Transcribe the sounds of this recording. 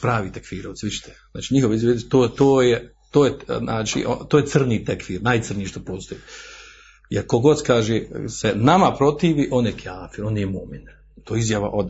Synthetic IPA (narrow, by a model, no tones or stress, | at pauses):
pɾaːʋit̪ekʋiːɾoʋt̪ʋit͡ʃi̥t̪ʰezna̰ːt͡ʃiɲixo̞ʋeizjajest̪oːt̪oːje | t̪oːjenaːt͡ʃḭʔo̰t̪ojet̪sɨrniːt̪ekʋiːɾnaːjt̪sɨr̩nijiʃt̪opoːzt̪oi | jeɾkoɡo̞d̪kaːʒesenamapɾo̞t̪iːʋiʔo̞njekjaːfiɾo̞ːnjjemomin | t̪oizjaʋa̰ʔod̪